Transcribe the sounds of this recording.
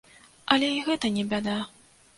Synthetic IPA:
ɐlʲɛiɣɛt̪ɐnʲɛbʲad̪a

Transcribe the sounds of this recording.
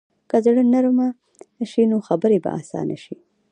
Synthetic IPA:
kazɽənaɾuma | ʃinoxabəɾeba̰ʔa̰sɑ̰na̰ʃi

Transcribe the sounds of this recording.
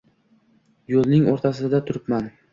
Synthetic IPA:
jolˠnɪŋoɾt̪ʰasɪd̪at̪ʰʊɾɪpman

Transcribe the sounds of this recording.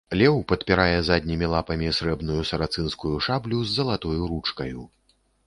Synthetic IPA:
lʲɛwpɐt̪pʲiɾajɛzad̪ʲnʲimʲilˠapɐmʲisɾɛbnujusɐɾat̪sɨnskujuʂablʲuzːɐlˠat̪ɔjuɾut͡ʂkɐju

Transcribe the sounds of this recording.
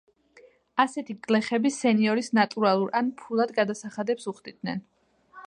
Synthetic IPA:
asɛt̪ʰiɡlɛχɛbisɛniɔɾisnat̪ʼuɾalˠuɾʔanpʰulˠad̪ɡad̪asaχad̪ɛpsuχd̪id̪̥nɛ̰n

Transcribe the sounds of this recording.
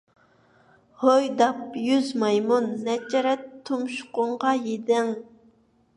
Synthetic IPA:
hojd̪ɑpjyzmɑjmunːɛd͡ʒɛɾɛt̪ʰːumʃʊ̥qʊɴʁɑjed̪ɪŋ

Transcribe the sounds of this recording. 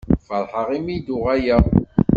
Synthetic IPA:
fəɾˤħəʁimid̪ʊʁæjə

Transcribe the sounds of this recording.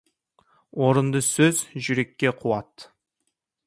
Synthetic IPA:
wo̞ɾənd̪əsɵzʒʏɾe̞kʲːe̞qʰuwɑt̪

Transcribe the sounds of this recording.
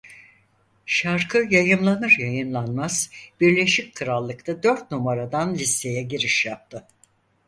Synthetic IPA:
ʃaɾkʰɯjajɯmlˠanɯɾjajɯnlˠanmaz̥b̥iɾlʲe̞ʃic̚ʲkʰɯɾalˠːɯkt̪ʰad̪øɾt̪̚numaɾad̪anlʲise̞jɛɟiɾiʃjap̚t̪ʰɯ

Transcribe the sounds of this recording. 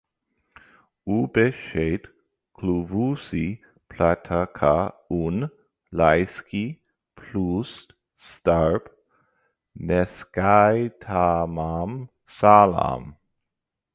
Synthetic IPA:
ubɛʃejt | kʰluvusi | pʰlatʰakʰaun | lajskʰi | pʰlus | staɹp | nɛskajtʰamam | sala̰m

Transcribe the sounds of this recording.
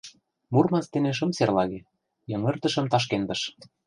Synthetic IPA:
murmɑnst̪ĕneʃ̬ɤ̆mserlɑɣe | jɤ̆ŋɤ̆rt̪ɤ̆ʃɤ̆mt̪ɑʃ̬kend̪ɤ̆ʃ

